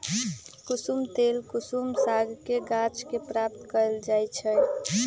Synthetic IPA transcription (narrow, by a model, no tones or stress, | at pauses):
kusumt̪elkusumsaɡʱkeɡat͡ʃkepɾap̚t̪kəld͡ʒajt͡ʃʰɛ